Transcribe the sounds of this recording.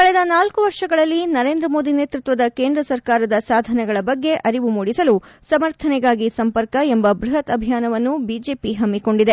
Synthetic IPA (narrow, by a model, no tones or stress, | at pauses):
kɐɭɛd̪ɐnaːlkuʋɐɾʂɐɡɐɭɐlːinɐɾe̞ːnd̪ɾɐmo̞ːd̪ine̞ːt̪ɾut̪ʋɐd̪ɐkeːnd̪ɾɐsɐɾkaːɾɐd̪ɐsaːd̪ʱɐnɛɡɐɭɐbɐɡːe̞ʔɐɾiʋumuːɽisɐlu | sɐmɐɾt̪ʰɐnɛɡaːɡisɐmpɐɾkɐembɐbɾuɦɐt̪ɐbʱijaːnɐʋɐnːubiːd͡ʒe̞ːpiɦɐmːiko̞ɳɖid̪e